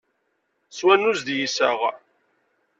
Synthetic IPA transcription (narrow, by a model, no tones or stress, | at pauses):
swænuzd̪jisəʁ